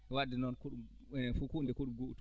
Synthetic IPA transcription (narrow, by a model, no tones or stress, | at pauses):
wadinɔnkuɗu | fukundɛkuɗumɡoʔt